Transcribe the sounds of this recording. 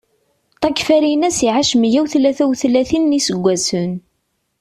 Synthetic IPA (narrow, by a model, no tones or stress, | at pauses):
t̪ˤɑkːfæɾinæsiʕaʃmjæwθlæθæwθlæθinːisəɡʷːæsən